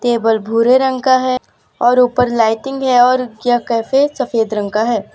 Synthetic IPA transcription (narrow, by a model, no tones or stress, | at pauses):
t̪eːbəlbʱuːɾeɾə̃ŋkaɦɛː | ɔːɾuːpəɾlaːɪʈɪ̃ŋɡɦɛɔːɾɡjakɛːfesɐfeːd̪ɾɐ̃ŋkaɦɛː